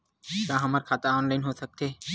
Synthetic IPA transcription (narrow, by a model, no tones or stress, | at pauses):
kãːɦəmaːɾkʰaːt̪aɔːnlaːɪnɦosək̚t̪ʰeː